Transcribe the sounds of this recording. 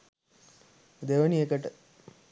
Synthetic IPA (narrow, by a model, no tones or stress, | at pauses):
d̪eʋəniekəʈə